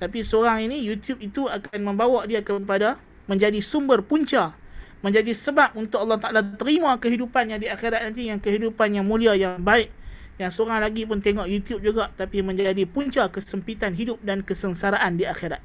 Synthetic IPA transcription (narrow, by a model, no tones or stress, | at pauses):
t̪apisəoɾaŋinijut̪jup̚it̪uakanmə̃mbawaʔdiakəp̬ada | mə̃ɲd͡ʒadisumbərpuɲt͡ʃa | mə̃ɲd͡ʒadisəbap̚unt̪ʊkɑlːɑht̪aʔalat̪əɾimãkəɦidupanɲadiaxeɾat̪̚nant̪̬ijaŋkəɦidupanjaŋmũliajaŋbaɪʔ̚ | jaŋsəoɾaŋlaɡip̬ʊnt̪eŋɔʔjut̪jup̚d͡ʒuɡaʔt̪apimə̃ɲd͡ʒadipuɲt͡ʃakəsəmpit̪anɦidʊp̚dankəsənsaɾaʔandiaxeɾat̪̚